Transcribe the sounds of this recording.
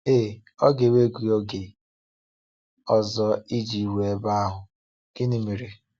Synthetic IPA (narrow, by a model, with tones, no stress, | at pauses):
e˦˨ | ɔ˦ɡe˨we˦ɡu˨jo˦ɡe˨ | ɔ˨zɔ˦i˦d͡ʒi˨we˨e˦ba˦a˦ɦʊ˨ | ɡ̥ɪ˦ni˦mi˨ɾi˨